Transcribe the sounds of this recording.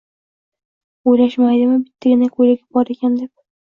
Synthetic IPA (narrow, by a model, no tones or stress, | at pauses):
ojlaʃmajd̪ɪmɪbɪt̪ʰːaɡʲɪnakʰɵjlaɡʲɪp̚bɒɾekʲʰand̪e̞p̚